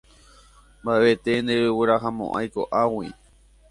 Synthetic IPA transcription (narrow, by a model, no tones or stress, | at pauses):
mbaet̪ẽnd̪eɾɨwɨɾaɦamõ̰ʔa̰jko̞̰ʔawi